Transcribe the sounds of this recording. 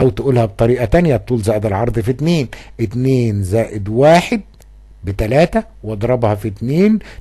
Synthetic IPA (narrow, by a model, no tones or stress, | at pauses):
æwt̪ʔuːlhæbt̪ˤɑɾiːʔæt̪ænjæt̪ˤːuːlzæːʔed̪ælʕɑɾˤd̪ˤfit̪neːnʔɪt̪neːnzæːʔɪd̪waːħed̪̚ | bɪt̪ælæːt̪æwʔɑd̪ˤɾˤɑbhɑfit̪neːn